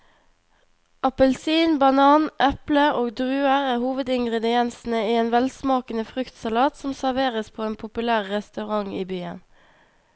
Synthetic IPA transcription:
ʔɑpəlsiːnbɑnɑːnʔɛpləoːɡd̪ʁʉːəʁəhuːʋəd̪ɪŋɡʁɛd̪ɪɛnsn̩əiːeːnʋɛlsmɑːkənəfʁʉkt̪sɑlɑːt̪sɔmsæʁʋeːʁəspʰoːeːnpʰʊpʉlæːʁːɛst̪ɑʁɑŋiːbyːən

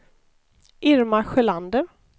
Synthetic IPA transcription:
ʔɪɾmaɧɛland̪ə

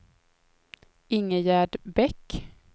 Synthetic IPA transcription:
ɪŋːəjæːɖbɛkː

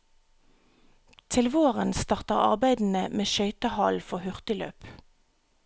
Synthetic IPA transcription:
t̪ʰɪlʋoːʁənst̪ɑːʁt̪əʁɑ̰ʁbæɪd̪n̩əmeːʃœʏt̪əhɑlfɔhʉʁt̪ɪlø̰ːp

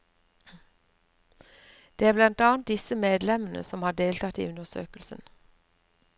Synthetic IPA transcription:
d̪̥eːæːblɑnt̪ɑːnt̪̚d̪ɪsəmeːd̪lɛmən̩ə̰sɔmhɑːɖeːlt̪ʰɑt̪ḭːʉnəsø̰ːkəlsən

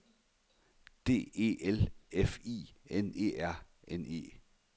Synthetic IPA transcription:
d̥e̝̰ːe̝̰ːelefḭːene̝̰ːæɐ̰ | ene̝̰ː

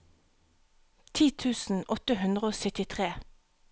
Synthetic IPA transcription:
t̪ʰiːt̪ʰʉːsn̩ʔɔt̪əhʉnd̪ʁəoːsœt̪ɪt̪ʰʁeː

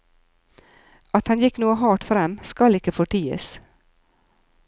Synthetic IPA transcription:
ʔɑt̪hɑnjɪknuːəhɑːʈfɾɛmskɑlɪkəfɔʈiːə̰s

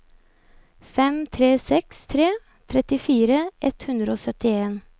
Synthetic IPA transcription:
fɛmt̪ʰɾeːsɛkst̪ʰɾeː | t̪ʰɾɛt̪ɪfiːɾəʔɛt̪hʉnd̪ɾəoːsœt̪ɪeːn

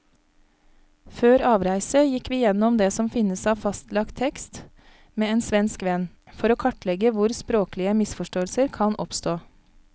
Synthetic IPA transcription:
føːɾɑːʋɾæɪsəjɪkʋiːjɛnɔmd̪eːsɔmfɪnəsɑːʋfɑst̪lɑkt̪ʰɛkst̪ | meːeːnsʋɛnskʋɛn | fɔɾoːkʰɑʈlɛɡəʋʊɾspɾoːklɪəmɪsfɔʃʈoːəlsəɾkʰɑnʔɔpst̪oː

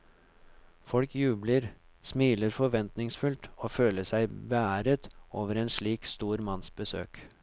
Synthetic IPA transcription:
fɔlkjʉːbləɾ | smiːləɾfɔʋɛnt̪nɪŋsfʉlt̪oːføːləsæɪbəæːɾət̪oːʋəɾeːnʂɭiːkst̪uːɾmɑnsbəsø̰ːk

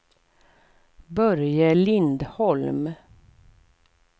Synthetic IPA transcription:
bœɾjəlɪnd̪hɔlm

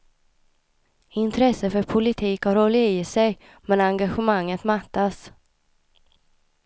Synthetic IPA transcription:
ɪnt̪ʰɾɛsːəfœɾpʰʊlɪt̪ʰiːkhaɾɔlɪiːsɛj | mɛnaŋɡaɧəmaŋːət̪mat̪ːas

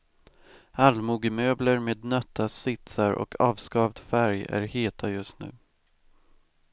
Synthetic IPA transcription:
halmuːɡəmøːbləɾmeːd̪nœt̪ʰːasɪt̪saɾʔɔ̰kʰɑːvskɑːvd̪fæɾjæ̰ɾheːt̪ʰajɵst̪nʉ̟̰ː

